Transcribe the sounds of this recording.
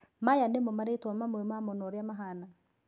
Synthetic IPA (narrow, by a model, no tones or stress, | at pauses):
majanemomaɾetwamamwɛmamɔnɔɾeamaɦana